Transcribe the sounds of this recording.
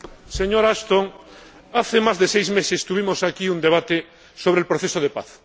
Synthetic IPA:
seɲoɾast̪oŋ | aθemazðesejzmesest̪uβ̞imosakiund̪eβ̞at̪e | soβ̞ɾelpɾoθesoð̞epa̰θ

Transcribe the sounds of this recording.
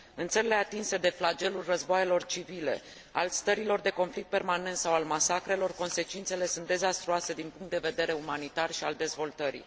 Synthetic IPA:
ɨnt̪səɾile̞at̪inse̞d̪e̞flad͡ʒe̞lulʲrəzboajelo̞rt͡ʃivile̞̰ | a̰lst̪əɾilo̞rd̪e̞ko̞nflik̚t̪̚pe̞rmane̞nt̪sawalmasakɾe̞lo̞rko̞nse̞t͡ʃint̪se̞le̞sunt̪̚d̪e̞zast̪ɾuase̞d̪inpuŋkt̪̚d̪e̞ved̪e̞ɾe̞umanit̪arʃiald̪e̞zvo̞lt̪əɾḭ

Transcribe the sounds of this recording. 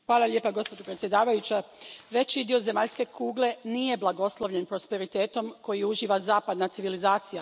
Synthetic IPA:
xʋaːlˠaʎʲje̞ːpaɡo̞spodopɾet̪sje̞d̪aːʋajut͡ɕaʋe̞t͡ɕid̪io̞ze̞maʎske̞kʰuːɡle̞nije̞blˠaɡo̞slˠo̞ʋʎe̞npɾo̞spe̞ɾit̪eːt̪o̞mkojiuʒiːʋazaːpad̪nat̪siʋilizaːt̪sija

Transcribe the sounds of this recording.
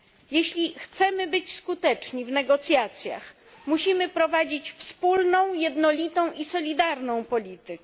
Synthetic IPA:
jeɕlʲixt̪sɛmɘbɘt͡ɕskut̪ɛt͡ʂɲivnɛɡɔt̪sʲjat̪sʲja̰x | muɕimɘpɾɔvad͡ʑit͡ɕfspulnɔ̃w̃jɛd̪nɔlʲit̪ɔ̃w̃ʔisɔlʲid̪aɾnɔ̃w̃pɔlʲit̪ɘ

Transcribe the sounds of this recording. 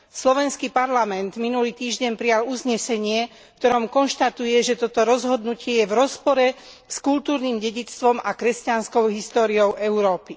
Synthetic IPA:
slɔʋɛnskipaɾlamɛnd̪minuliːt̪iːʒɟɛmpɾijaluzɲɛsɛɲɪɛ | kt̪ɔɾɔmkɔnʃt̪at̪ujɛʒɛt̪ɔt̪ɔɾɔzɦɔd̪nucɪɛjɛvɾɔspɔɾɛ | skult̪uːɾniːmɟɛɟit͡st̪ʋɔmakɾɛscanskɔʊɦist̪ɔːɾiɔʊʔɛʊɾɔːpi

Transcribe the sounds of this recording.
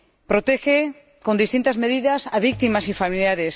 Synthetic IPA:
pɾot̪exe | kond̪ist̪int̪azmeð̞iðasaβik̚t̪imasifamiljaɾes

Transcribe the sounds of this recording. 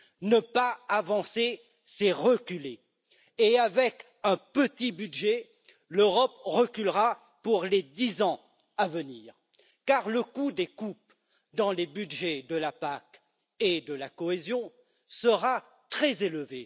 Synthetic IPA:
nəpaːvɑ̃se | seʁəkʲyle | eavɛk | ɛ̃pət̪ibydʒɛ | løʁɔpʁəkʲylʁa | puʁled̪izɑ̃ | avəniːʁ | kaʁləkud̪ekup | d̪ɑ̃lebyd̪ʒɛd̪əlapak | ed̪əlakɔezjɔ̃ | səʁa | t̪χɛzeləve

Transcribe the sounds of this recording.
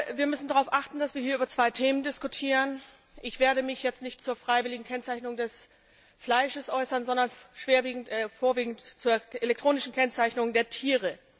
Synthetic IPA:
viːɐmʏsn̩daʁaʊfʔaχtn̩d̥asv̥iːɐhiːɐʔybɐt͡sv̥aɪtʰeːməndɪskutʰiːʁən | ʔɪçv̥eːɐɾəmɪçjɛt͡stnɪçtt͡suːɐfʁ̥aɪvɪlɪɡŋ̩kʰɛnt͡saɪçnʊŋdɛs | flaɪʃəsʔɔʏsɐnzɔndɐnʃv̥eːɐviːɡŋ̩tɛfoːɐviːɡŋ̩tt͡suːɐʔelɛktʁ̥oːnɪʃn̩kʰɛnt͡saɪçnʊŋdeːɐtʰiːʁə

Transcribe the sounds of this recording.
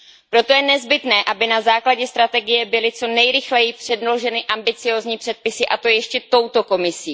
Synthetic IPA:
pɾo̞t̪o̞jɛnɛzbɪt̪nɛːʔabɪnazaːklaɟɛst̪ɾat̪ɛɡɪjɛbɪlɪt͡so̞nɛjɾɪxlɛjɪpr̥ɛdnlo̞ʒɛnɪʔambɪt͡sɪjo̞ːzɲiːpr̥ɛt̪̚pɪsɪʔat̪o̞jjɛʃcɛt̪o̞wt̪o̞ko̞mɪsiː

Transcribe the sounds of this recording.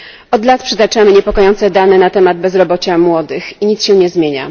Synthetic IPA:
ɔd̪lat̪pʂɛt̪at͡ʂamɘɲɛpɔkɔjɔnt̪sɛd̪anɛnat̪ɛmad̪̚bɛzɾɔbɔt͡ɕamwɔd̪ɘxiɲit̪sɕɛɲɛzmʲjeɲa̰

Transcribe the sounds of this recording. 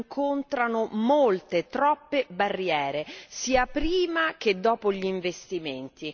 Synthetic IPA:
ŋkʰont̪ɾanomolt̪et̪ɾɔpːebarːjɛːɾesiːapɾiːmak̟ed̪ːɔːpoʎiːɱvest̪iment̪i

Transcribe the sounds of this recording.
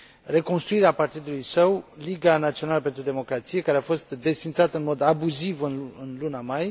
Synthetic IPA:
re̞ko̞nst̪ɾuiɾeapart̪id̪ulujsəwliɡanat̪sio̞naləpe̞nt̪ɾud̪e̞mo̞kɾat̪sije̞kaɾeafo̞st̪d̪e̞sfint̪sat̪ɨnmo̞d̪abuzivɨnɨnlunamaj

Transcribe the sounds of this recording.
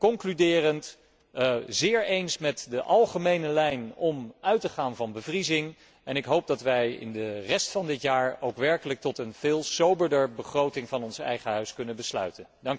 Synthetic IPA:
kɔŋklydɪːrənt | zɪːɹejnsmɛtdəʔɑlˠχəmejnəlɛjnɔmœɥtəχaːnvɑnbəvrizɪŋ | ɛnɪkɦowp̚dɑtʋɛjɪ̰ndərɛstfɑndɪtjaːɹowkʋɛɹkələk̚tɔtənv̥ɪːlˠsowbəɹdəɹbəχrowtɪŋvɑnɔnsɛ̰jχəɦœɥskɵnənbəslœ̰ɥtəndɑŋ

